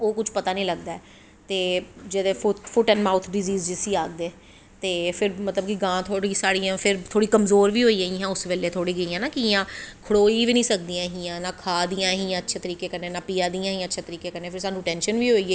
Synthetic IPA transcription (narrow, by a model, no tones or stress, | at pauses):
oːkʊt͡ʃʰpət̪aːnĩːləɡd̪aːɛː | t̪eːd͡ʒed̪eːfʊfʰʊʈɛ̃ːnmaːʊt̪ʰɖɪziːzd͡ʒɪsiːaːɡ̚d̪eː | t̪eːpʰɪɾmət̪ləbkiɡãːt̪ʰoːɽiːsaːɽiːãːpʰɪɾt̪ʰoːɽiːkəmzoːɾʋiːɦoːiːɡəiːɦãːʊsʋeːleːt̪ʰoːɽiːɡəiːãːnãːkɪɪjãːkʰəɽoːiːʋiːnĩːsəkd̪ĩːãːɦiːãːnaːkʰaːd̪ijãːɦĩːãːətːʃʰeːt̪əɾiːkeːkəɾneːnaːpijãːd̪ijãːɦĩːətːʃʰeːt̪əɾiːkeːkəɾnẽːpʰɪɾsaːnũːʈɛ̃ːnʃənʋiːɦoːiːɛː